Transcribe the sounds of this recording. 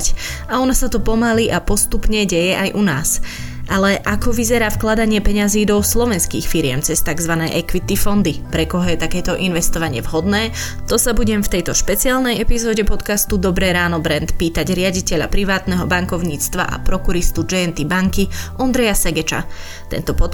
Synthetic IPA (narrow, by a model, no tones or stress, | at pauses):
c | aɔnasat̪ɔpɔmaliʔapɔst̪upɲɛɟɛjɛʔajʔunaːs | ʔalɛʔakɔʋizɛɾaːfklad̪aɲɪɛpɛɲaziːd̪ɔslɔʋɛnskḭːxfiɾɪɛ̰mt͡sɛst̪aɡzʋanɛ̰ːʔɛkʋit̪ifɔnd̪ipɾɛkɔɦɔjɛt̪akɛːt̪ɔʔinʋɛst̪ɔʋaɲɪɛvɦɔd̪nɛː | t̪ɔsabuɟɛmft̪ɛjt̪ɔʃpɛt͡siaːlnɛjɛpizɔːɟɛpɔt̪kast̪ud̪ɔbɾɛːɾaːnɔbɾɛnt̪piːt̪aɟɾɪaɟicɛʎa̰pɾiʋaːt̪nɛɦɔbaŋkɔʊɲiːt͡st̪ʋa̰ʔa̰pɾɔkuɾist̪ud͡ʒɛɛnt̪ibaŋkiʔɔnd̪ɾɛjasɛɡɛt͡ʃa̰ | t̪ɛ̰nt̪ɔpɔt̪